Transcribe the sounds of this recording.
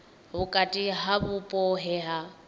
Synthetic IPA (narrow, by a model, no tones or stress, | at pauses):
bʊkʼatʼiɦabʊpʼɔɦɛɦa